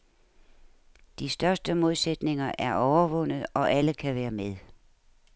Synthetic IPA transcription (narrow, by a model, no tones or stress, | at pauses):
d̥isd̥ɶɐsd̥əmo̝ð̞ˠsed̥ne̝ŋɐʔæɐʔɒʊɐʋɔ̽n̰ð̩ˠɒ̽ʔæləkʰæʋæːɐmeðˠ